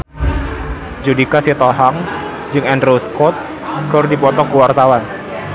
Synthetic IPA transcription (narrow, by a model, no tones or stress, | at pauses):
d͡ʒudikasit̪ɔɦaŋ | d͡ʒɨŋɛndɾoskɔt̪̚ | ɡɔrdipɔt̪ɔkuwart̪awan